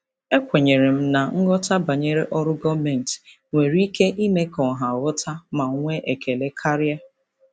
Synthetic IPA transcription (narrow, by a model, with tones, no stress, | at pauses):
e˦kʷe˨ɲe˨ɾe˨m̩˦na˨ŋ̩˦ɡɔ˦ta˦ba˨ɲe˦ɾe˦ʔɔ˦ɾʊ˦ɡɔ˦me˨n˨t | ŋʷe˨ɾi˦ke˦ʔi˦me˦kɔ˨ɦa˨wɔ˦tʰa˦ma˨˦ŋʷe˦ʔe˨ke˨le˦kʰa˦ɾja˦